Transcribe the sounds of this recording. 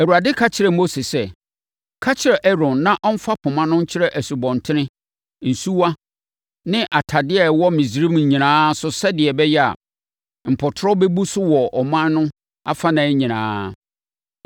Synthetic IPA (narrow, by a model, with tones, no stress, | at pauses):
æ˨wu˨ɾa˨dɪ˦kʰa˦t͡ɕʰɪ˨ɾɛ˨mo˦se˨sɛ˦ | kʰa˦t͡ɕʰɪ˨ɾɛ˨ʔɛ˦ɾɔ̃˨nːã˦ʔɔ˦m̩˦fa˦pʰʊ̃˨mã˦nʊ̃˦ɲ̩˦t͡ɕʰɪ˦ɾɛ˦ʔæ˨su˨bɔ̃˨ntʰɪ˦nɪ̃˦ | n̩˨su˦wa˦ | nɪ̃˦ʔa˨tʰa˨dɪ˦ɛ˨wɔ˦mĩ˨sɾĩ˦m˨ɲ̩˨ɲĩ˨nãː˦sʊ˨sɛ˦dɪ˨ɛ˨bɛ˦jɛ˦a̰˨ | m̩˨pʰɔ˨tʰɾɔ˦bɛ˦bu˦sʊ˦wɔ˨ɔ˨mã˦nːʊ̃˦ | a̰˦fa˦nã˨˦ɲĩ˨nã̰ː˦